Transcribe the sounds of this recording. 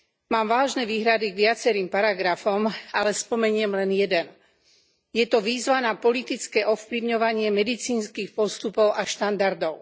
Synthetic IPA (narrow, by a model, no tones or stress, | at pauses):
maːmʋaːʒnɛʋiːɦɾad̪iɡʋɪat͡sɛɾiːmpaɾaɡɾafɔmalɛspɔmɛɲɪɛmlɛnjɛd̪ɛn | jɛt̪ɔʋiːzʋanapɔlit̪it͡skɛːʔɔfpliʊɲɔʋaɲɪɛmɛd̪it͡siːnskiːxpɔst̪upɔʊʔaʃt̪and̪aɾd̪ɔʊ